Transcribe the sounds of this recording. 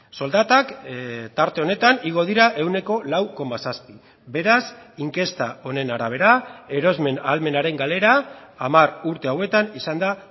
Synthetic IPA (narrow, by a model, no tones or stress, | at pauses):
so̞ld̪at̪akt̪aɾt̪e̞o̞ne̞t̪aniɣ̞o̞ð̞iɾaʔewne̞ko̞lawko̞masaspi | be̞ɾasiŋke̞st̪ao̞ne̞naɾaβ̞e̞ɾae̞ɾo̞zme̞nalme̞naɾe̞ŋɡale̞ɾaːmaruɾt̪e̞awe̞t̪anisand̪a